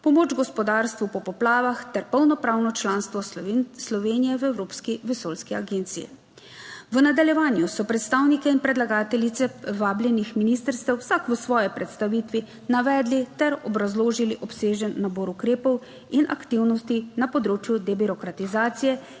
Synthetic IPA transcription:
pɔmoːd͡ʒɡɔspɔd̪aɾst̪ʋupɔpɔplaːʋaxt̪ɛɾpɔwnɔpɾaːwnɔt͡ʃlaːnst̪ʋɔslɔʋeːnijɛʋɛwɾoːpskiʋɛsolskia̰ɡeːnt̪sijḭ | ʋənad̪aljɛʋaːnjusɔpɾɛt̪st̪aːwnikɛinpɾɛd̪laɡaːt̪ɛlit̪sɛʋaːblʲjɛnixminiːst̪əɾst̪ɛwsakʋəsʋɔːjɛpɾɛt̪st̪aʋit̪ʋi | naʋɛːd̪lit̪ɛɾɔbɾazloːʒiliʔɔpseːʒənːaboːɾukɾeːpɔw | inʔa̰kt̪iwnɔst̪inapɔd̪ɾoːt͡ʃjud̪ɛbiɾɔkɾat̪izaːt̪sijɛ

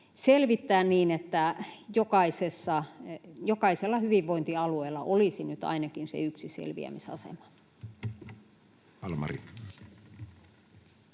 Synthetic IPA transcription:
selʋit̪ːæːnniːnet̪ːæjokɑisesːɑjokɑiselːɑhyʋiʋʋoint̪iɑlueilːˑɑʔolisinyt̪ɑ̰inɑkinsḛyksisḛlʋḭæ̰misɑ̰sḛmɑ̥ | ɑlmɑ̰rḭ

